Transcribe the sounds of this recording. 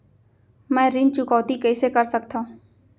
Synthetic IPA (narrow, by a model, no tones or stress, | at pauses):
mɛ̃ːɾɪ̃nt͡ʃʊkɔːt̪ikəisekəɾsəkt̪ã